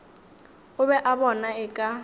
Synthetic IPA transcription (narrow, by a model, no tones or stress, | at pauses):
ʊβɛʔabɔnaɪkʼa